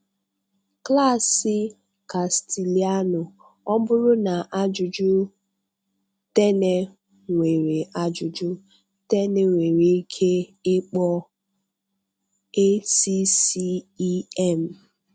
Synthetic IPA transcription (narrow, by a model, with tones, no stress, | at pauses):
kla˦˨sɪ˦ | ka˨sti˨li˨a˦nʊ˨ | ɔ˦bʊ˦ɾʊ˦na˨ʔa˦d͡ʒʊ˨d͡ʒʊ˦ | te˦ne˦ | ŋʷe˨ɾe˨ʔa˦d͡ʒʊ˨d͡ʒʊ˦ | te˦ne˨ŋʷe˨ɾe˨i˦kʰe˦ɪ˦k͡pɔ˦ | e˦si˦si˦ɛ˦˨m̩˨